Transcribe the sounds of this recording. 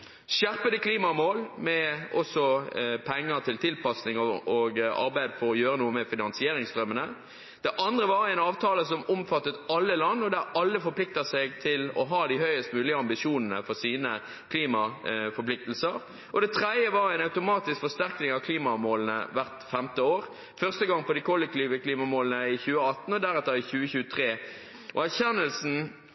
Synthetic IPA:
ʃæʁpəd̪əkʰliːmɑmoːlmɛʔɔsɔpʰɛŋːət̪ʰɪlt̪ʰɪlpɑsnɪŋɔoɡɑ̰ɾbæɪd̪fɔɾɔjøːɾənuːəmɛfɪnɑnsɪeːɾɪŋst̪ʁœmːənə | d̪̥ɛʔɑnd̪ʁəʋɑɾɛɪnɑːʋt̪ʰɑːləsɔmɔmfɑt̪ːət̪ɑlːəlɑnːɔd̪æɾɑlːəfɔpʰlɪk̚t̪əsɛɡt̪ʰɪlɔ̰ɦɑːd̪ɪhœʏəst̪mʉːlɪəɑmbɪʃuːnənə̰fɔʁsiːnə | kʰliːmɑfɔɾpʰlɪk̚t̪l̩səɾ | ʔɔd̪ɛt̪ʰʁɛd̪jəʋɑɾæɪnɑʉt̪ʊmɑːt̪ɪskfɔʁst̪æʁknɪŋɑʋkʰliːmɑmoːlənə̰ʋæʁt̪fɛmt̪əoːʁ | fœʁst̪əɡɑŋpʰɔd̪ɪkʰɔlːɛk̚t̪iːʋəkʰliːmɑmoːlənəɪçʉːəɑt̪n̩ɔd̪æɾɛt̪ːəɪçʉːəçʉːət̪ʰʁeː | ʔɔæʁçɛnəlsn̩

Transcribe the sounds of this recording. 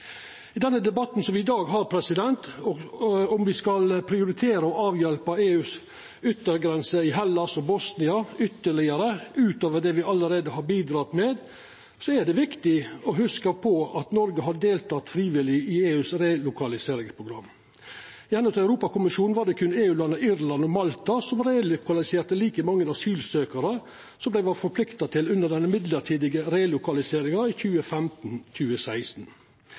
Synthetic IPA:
ɪd̪ɛnːəd̪ɛbɑt̪nsɔmʋɪɪd̪ɑːɡɦɑːɾpʰɾɛsɪd̪ɛnt̪ɔɔmʋɪskɑlpʰɾɪʊɾɪt̪ʰeːɾəɔɑːʋjɛlpəeːʉːs | ʏt̪ːəɾɡɾɛnsəɪɦɛlːɑsɔbɔsnɪɑʏt̪ːəɭɪəɾəʉːt̪oːʋəɖɛʋɪɑləɾeːd̪əɦɑɾbiːd̪ɾɑt̪meːd̪ | sɔæɖɛʋɪkt̪ɪɔɦʉskəpʰɔɑt̪nɔɾɡəɦɑd̪əd̪eːlt̪ʰɑt̪fɾiːʋɪlɪieːʉːsɾeːlʊkʰɑlɪseːɾɪŋspʰɾʊɡɾɑmː | ɪɛnʉt̪æʉɾuːpɑkʊmɪʃuːn̩ʋɑːɖɛkʰʉneːʉːlɑnːəɪɾlɑnɔmɑlt̪ɑsɔmɾeːlʊkɑlɪseːɾt̪əliːkəmɑŋːənɑsyːlsøːkɑɾə | sɔmblæɪʋɑɾfɔɾpʰlɪkt̪ɑt̪ʰɪlʉnd̪əɖ̪ɛnːəmɪd̪ləʈʰiːd̪ɪɡəɾeːlʊkɑlɪseːɾɪŋɑiçʉːəfæmt̪n̩c͡çʉːəsæɪst̪n̩

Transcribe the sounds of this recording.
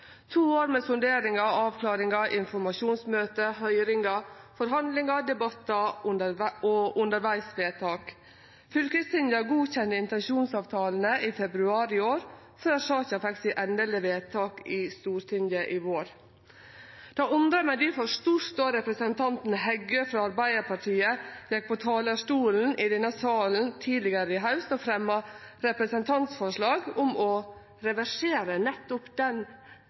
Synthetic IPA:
t̪ʰuːoːɾmɛfʉnd̪eːɾɪŋɑɑːʋkʰlɑːɾɪŋɑʔɪnfɔɾmɑʃuːnsmøːt̪əhœʏɾɪŋɑfɔɾɦɑnd̪lɪŋɑd̪ɛbɑt̪ːɑ | ɔʊnd̪əɾʋæɪsʋeːt̪ʰɑːk | fʏlkəst̪ɪnd̪jɑɡuːçɛnːəɪnt̪ɛnʃuːnsɑːʋt̪ʰɑːln̩əʔiːfɛbɾʉɑːɾɪoːɾ | føːʂɑːçɑfɛksɪʔɛnələʋeːt̪ʰɑːkɪst̪uːɾt̪ʰɪnd̪jɑʔɪʋoːɾ | d̪̥ɑːʊnd̪ɾəmæɪd̪ɪfɔʂt̪uːst̪oːɾɛpɾəsənt̪ʰɑnt̪nɦɛɡøfɾɑɑɾbæɪd̪əpʰɑʈʰiːəjɛk̚pʰɔt̪ʰɑːləʂʈuːln̩ʔɪd̪ɛnɑsɑːln̩t̪ʰiːlɪɡəɾəɪɦɑʉsɔfɾɛmːɑɾɛpɾəsənt̪ʰɑnt̪sfɔʂɭɑːɡʊmɔ | ɾɛʋæʂeːɾənɛt̪ːʊpd̪ɛn

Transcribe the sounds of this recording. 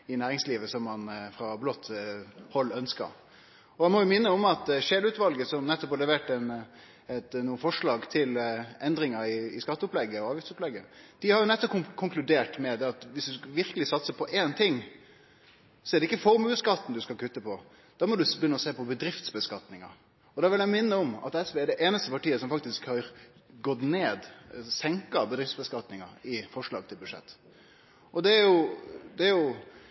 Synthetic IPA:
ɪnæːɾɪŋsliːʋəsɔmːɑnfɾɑblɔt̪ːhɔlːœnskə̰ɾ | ɔɛnmɔjʊmɪnːəɔmɑt̪ʃeːlʉt̪ʋɑlɡəsɔmnɛt̪ːɔpɑlɛʋeːʈːɛn | ɛt̪nuːəfɔʂɭɑːɡt̪ʰɪlɛnd̪ɾɪŋəɾɪɪskɑt̪ːəɔplɛɡːəɔɑːʋjɪft̪sʊplɛɡːə̰d̪̥ɪhɑɾjʊnɛt̪ːɔp̚kʰʊkʰʊŋklʉd̪eːʈmɛd̪ɛɑt̪ʋɪsd̪ʉʋɪɾkəlɪsɑt̪səpʰɔʔeːnt̪ʰɪŋ | sɔɛɾɖ̪ɛɪkːəfɔɾmʉːskɑt̪ːn̩d̪ʉskɑlkʰʉt̪ːəpʰɔ | d̪̥ɑmɔd̪ʉbjʏnːəɔseːpɔbəd̪ɾɪft̪sbəskɑt̪nɪŋɑ̰ | ɔd̪ɑʋɪlæmɪnːəɔmɑ̰t̪ːɛsʋeːɛɾd̪ɛʔeːnəst̪əpɑʈiːəsɔmfɑkt̪ɪskhɑɾɡɔt̪neːd̪sɛŋkɑbəd̪ɾɪft̪sbəskɑt̪nɪŋɑɪfɔʂɭɑ̰ːɡ̚t̪ʰɪlbʉd̪ʂɛ̰t̪ː | ʔɔd̪ɛɾjʊd̪ɛæɾjʊ

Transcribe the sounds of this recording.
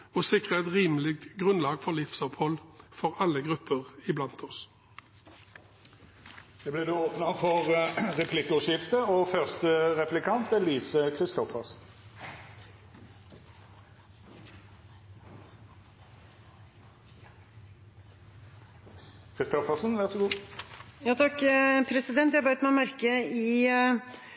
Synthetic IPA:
oːsɪkʁəɛt̪ʁiːməlɪk̚t̪ɡʁʉnlɑːɡfɔʁlɪfsɔpʰhɔlfɔʁɑlːəɡʁʉpəʁɪblɑnt̪ʰɔs | d̪̥eːbleːd̪ʉːoːpnɑfɔʁʁɛpʰlɪkʊʃɪft̪əoːfœʁst̪əʁɛplɪkʰɑnt̪ʰɛliːsəkʰʁɪst̪ɔfəʁsn̩ | kʰʁɪst̪ɔfəʁsnʋæʁsɔɡuːjɑːt̪ʰɑkːpʰɾɛsɪd̪ɛnt̪jæhɑbɑt̪mɛmɑɾkəiː

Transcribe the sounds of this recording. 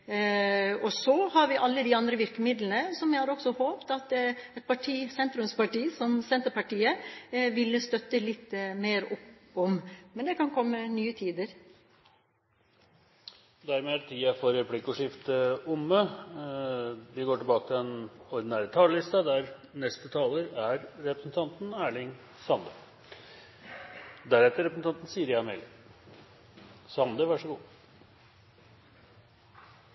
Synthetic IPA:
ɔsɔhɑɾʋɪʔɑlːəd̪iɑnd̪ɾəʋɪɾkəmɪd̪lənəsɔmjæɪhɑɾɔksɔhoːpt̪ɑt̪ɛt̪̚pʰɑʈʰiːsɛnt̪ɾʉnspɑʈiːsɔmsɛnt̪əɾpɑʈiːəʋɪlːəst̪œt̪ːəlɪt̪ːmeːɾɔpɔmmɛnd̪ɛkʰɑnkʰɔmːənyːət̪ʰiːd̪əɾ | d̪æɾmeːdt̪ʰiːɑfɔɾɛpʰlɪkːɔʂɪft̪əʊmə | ʋ̪ɪɡoːʈɪbɑːkət̪ʰɪlɛnɔɾd̪ɪnæːɾət̪ʰɑːləlɪst̪ɑd̪æɾnɛst̪ət̪ʰɑːləɾæɾɾɛpɾəsn̩t̪ʰɑnt̪n̩æːɭɪŋ | sɑnd̪ə | d̪æɾɛt̪ːəɾɛpɾəsn̩t̪ʰɑnt̪n̩siːəɾjæmɛ̰l | sɑnd̪əʋæʂəɡuː

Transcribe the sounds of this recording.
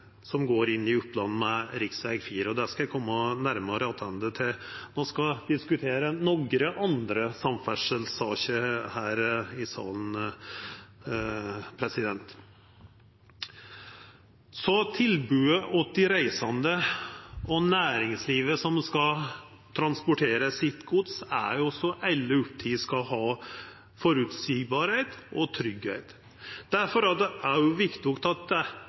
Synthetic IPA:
sɔmɡoːɾɪnːɪʉplɑn̩ːmɛɾɪksʋæɪɡfiːɾəɔd̪æːʂkɑjæɪkʰɔmːɔnæɾmɑɾəɑt̪ʰɑnd̪ət̪ʰɪlnoːskɑd̪ɪskʉt̪ʰeːɾənɔɡɾəʔɑnd̪ɾəsɑmfæʂəlsɑːçəhæːɾɪsɑ̰ːln̩ | pʰɾɛsɪd̪ɛnt̪ | sɔt̪ʰɪlbʉːəʔɔt̪ɪɾæɪsɑnd̪ə | ɔnæːɾɪŋsliːʋəsɔmskɑ | t̪ʰɾɑnspʊʈʰeːɾəsɪt̪ɡʊt̪sæ̰ɾjʊɔsːɔʔælːəʉp̚t̪ʰiːskɑɦɑː | fɔɾʉːt̪siːɡbɑːɾhɛɪt̪ʔɔt̪ʰɾʏɡhɛɪt̪ | d̪̥æɾfɔɾɑd̪ɛæɾjʊʋɪkt̪ɪɔkt̪ɑt̪̚d̪ɛ

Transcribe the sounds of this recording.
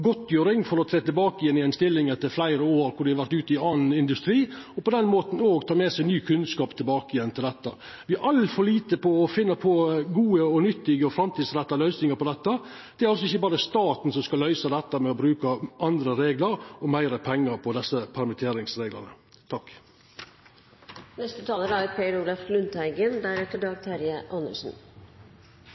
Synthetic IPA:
ɡɔt̪ːjøːɾɪŋfɔɾɔt̪ʰɾeːt̪ɪlbɑːkɪjɛnːɪɛnst̪ɪlːɪŋɛt̪ːəɾflæɪɾəoːɾkʊɖɪhɑɾʋæɾt̪ʉːt̪ɪɑːnn̩ɪnd̪ʉst̪ɾiːɔpɔd̪ɛnmoːt̪n̩oːɡt̪ʰɑːmɛːsæɪnyːkʰʉnskɑːpt̪ʰɪlbɑːkəɪjɛnːt̪ʰɪld̪ɛt̪ːə̰ | ʋɪæɾʔɑlːfɔɭiːt̪əpɔɔfɪnːəpʰɔɡuːəɔnʏt̪ːɪɡəɔfɾɑmt̪ʰiːd̪sɾɛt̪ːɑlœʏsnɪŋəɾpɔd̪ɛt̪ːə | d̪̥ɛæɾɑls̬ɔɪçːəbɑːɾəst̪ɑːt̪n̩sɔmskɑlœʏsɑd̪ɛt̪ːəmɛɔbɾʉːkəʔɑnd̪ɾəɾeːɡləɾɔmæɪɾəpʰɛŋːəɾpʰɔd̪ɛsːəpʰæɾmɪt̪ʰeːɾɪŋsɾeːɡlə̰ʁnə̰ | t̪ʰɑkː | nɛst̪ət̪ʰɑːləɾəæɾpʰeɾulæflʉnt̪hæɪɡənd̪æɾɛk̚t̪əɖɑːɡ̚t̪ʰæɾjəʔɑnə̰ʂn̩

